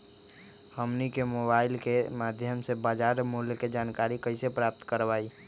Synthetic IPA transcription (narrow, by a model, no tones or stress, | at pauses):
həmnikemobailkemad̪ʱjəmsebad͡ʒaɾmuɦljked͡ʒankaɾikəɪsepɾap̚t̪kəɾbai